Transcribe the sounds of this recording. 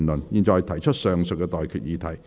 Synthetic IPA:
nlɵ˨˩njiː˨˩nt͡sɔː˨˧jt̪ʰɐ˨˩jt͡ʃʰɵ˥t̚sœː˨˩ŋsɵ˨˧kːɛ˧t̪ɔː˨jkʰyː˨˩t̚jiː˨˧˥t̪ʰɐ˨˩j

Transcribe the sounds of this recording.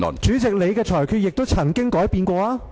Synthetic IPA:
ɔ̰˨˩nt͡ʃyː˨˥t͡sɪ˨k̚le˨˧jkɛː˧t͡ʃʰɔː˨˩jkʰy˧jɪ˨k̚t̪o˥wt͡sʰɐ˨˩ŋkɪ˥ŋkɔː˨˥jpiː˧nkʷɔː˧aː˥

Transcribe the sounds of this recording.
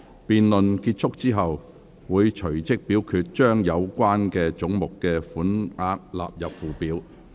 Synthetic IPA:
piː˨nlɵ˨nkiː˧t̚t͡ʃʰʊ˥k̚t͡siː˥ɦɐ˨w | wuː˨˧jt͡ʃʰɵ˨˩ɥt͡sɪ˥k̚piː˨˥wkʰyː˧t̚t͡ʃœː˥ŋjɐ˨˧wkʷaː˥nkɛː˧t͡ʃʊ˨˥ŋmʊ˨kːɛː˧fuː˨˥nŋaː˧k̚la̰ː˨p̚jɐ˨p̚fuː˨piː˨˥w

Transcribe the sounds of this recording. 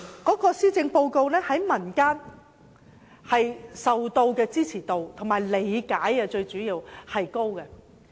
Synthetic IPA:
kɔː˨˥kɔː˧siː˥t͡sɪ˧ŋpo˧wko˧wnɛː˥hɐ˨˥jmɐ˨˩nkaː˥n | hɐ˨jsɐ˨wt̪o˧wkɛː˧t͡siː˥t͡sʰiː˨˩t̪o˨˧wt̪ʰo˨˩ŋmaː˨˩jle˨˥jkaː˨˥jɛ˧t͡ʃɵ˧ɥt͡ʃyː˨˥jiː˧whɐ˨jko˥wkɛ˧

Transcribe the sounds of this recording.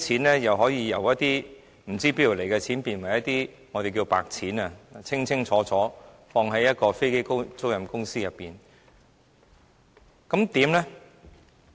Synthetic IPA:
t͡sʰiː˨˥nlɛː˥jɐ˨wɦɔː˨˥jiː˧jɐ˨˩wjɐ˥t̚t̪iː˥ | m̩˨˩t͡siː˥pi˥ji˨˩wle˨˩jkɛ˧t͡sʰiː˨˥npiː˨˩nwɐ˨˩jɐ˥t̚t̪iː˥ | ŋɔː˨˧t̪e˨jki˧wpa̰ː˨k̚t͡sʰiː˨˥na˧˨t͡sʰɪ˥ŋt͡sʰɪ˥ŋt͡sʰɔː˨˥t͡sʰɔː˨˥ | fɔː˧ŋɦɐ˨˥jɐ˥t̚kɔː˧fe˥jke˥jko˥wt͡so˥wjɐ˨mkʊ˥ŋsiː˥jɐ˨pːiː˨n | kɐ˨˥mt̪iː˨˥mlɛ˥

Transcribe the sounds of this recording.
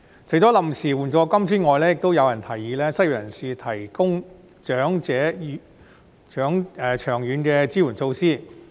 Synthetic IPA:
t͡sʰjt͡sɔː˨˥lɐ˨msiː˨˩wuː˨˩nt͡sɔː˨˧˥kɐ˥mt͡ʃʰyː˥nŋɔː˨˧jlɛː˥jɪ˨k̚t̪o˥wjɐ˨˧wjɐ˨˩nt̪ʰɐ˨˩jːiː˨˧lɛː˥sɐ˥jɔ˨˩jɐ˨˩nsiː˨˧t̪ʰɐ˨˩jkʊ˥ŋ | t͡ʃœː˨˥ŋt͡sɛː˨˥˨ | t͡ʃœː˨˥ŋɛː˨˩t͡ʃʰœː˨˩ŋjyː˨˧nkɛː˧t͡siː˥wuː˨˩nt͡so˧wsiː˥˩

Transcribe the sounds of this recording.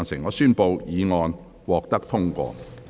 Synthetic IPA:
nsɪ˨˩ŋːɔː˨˧syː˥npo˧wjiː˨˧ŋɔː˨˧n | wɔː˨k̚t̪ɐ˥k̚t̪ʰʊ˥ŋkʷɔ̰ː˧

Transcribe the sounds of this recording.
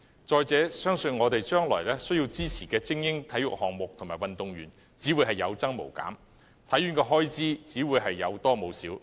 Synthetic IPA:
t͡ʃɔː˨jt͡sɛː˨˥sœː˥ŋsɵ˧nŋɔː˨˧t̪e˨jt͡ʃœː˥ŋlɔ̰ː˨˩jlɛː˥sɵ˥ɥji˧wt͡siː˥t͡sʰiː˨˩kɛː˧t͡sɪ˥ŋjɪ˥ŋt̪ʰɐ˨˥jʊ̰˨k̚hɔː˨ŋmʊ˨k̚t̪ʰmaː˨˩jwɐ˨nt̪ʊ˨ŋjyː˨˩n | t͡siː˨˥wuː˨˧jɦɐ˨˩jːɐ˨˧wt͡sɐ˥ŋmo̰˨˩wka̰ː˨˥m | t̪ʰɐ˨˥jːy˨˥nkɛː˧ɦɔː˥jt͡siː˥t͡siː˨˥wuː˨˧jɦɐ˨jːɐ˨˧wt̪ɔː˥mo˨˧wsiː˨˥w

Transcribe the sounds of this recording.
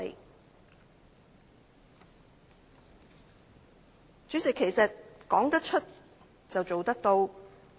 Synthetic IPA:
ḛ˨˩j | t͡ʃyː˨˥t͡sɪ˨˩kʰːe˨˩jsɐ˨t̚kɔː˨˥ŋt̪ɐ˥k̚t͡ʃʰɵ˥t̚ | t͡sɐ˨wt͡so˨wt̪ɐ˥k̚t̪o˧w

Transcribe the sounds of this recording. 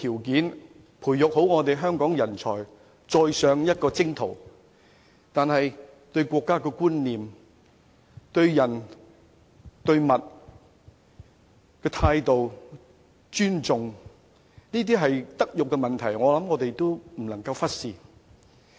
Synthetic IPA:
t̪ʰiː˨˩wkiː˨˥n | pʰuː˨˩jːʊ˨k̚ho˨˥wŋɔː˨˧t̪̬e˨jɦœː˥ŋkɔː˨˥ŋjɐ˨˩nt͡sʰɔː˨˩j | t͡sɔː˨˧jsœː˨˧ŋjɐ˥t̚kɔː˧t͡sɪ˥ŋt̪ʰo˨˩w | t̪aː˨nɦɐ˨j | t̪ɵ˧ɥkʷɔː˧kːaː˥kɛː˧kuː˥nliː˨m | t̪ɵ˧ɥjɐ˨˩n | t̪ɵ˧ɥmɐ˨t̚ | kɛː˧t̪ʰaː˧jt̪o˨w | t͡ʃyː˥nt͡sʊ˨ŋ | niː˥t̪̬iː˥ɦɐ˨jt̪ɐ˥k̚jʊ˨kːɛ˧mɐ˨nt̪ʰɐ˨˩jŋɔː˨˧lɐ˨˥mŋɔː˨˧t̪e˨jt̪o˥wm̩˨˩lɐ˨˩ŋkɐ˧wfɐ˥t̚siː˨

